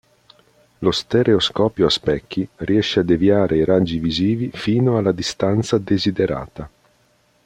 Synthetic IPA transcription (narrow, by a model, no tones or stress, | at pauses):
lost̪eɾeoskɔːpjoaspɛkʰːiriɛʃːead̪eviaːɾʔeiɾad͡ʒːiviziːvifiːnoalːad̪ist̪ant̪sad̪ezid̪eɾa̰ːt̪a